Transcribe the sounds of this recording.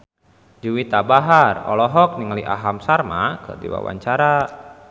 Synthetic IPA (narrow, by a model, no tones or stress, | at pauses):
d͡ʒuwit̪abaɦarɔ̰lɔɦɔk̚niŋaliʔaɦamsarmakədḭwa̰wa̰ɲt͡ʃaɾa